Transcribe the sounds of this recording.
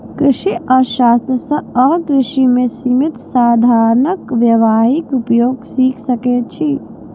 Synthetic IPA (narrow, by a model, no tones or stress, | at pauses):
kɾɪʃiʔəʃast̪ɾəsə̃əkɾɪʃimesimit̪saːd̪ʱaɾnəkʋjəʋaɦikupjoːɡsikʰsəket͡ʃʰi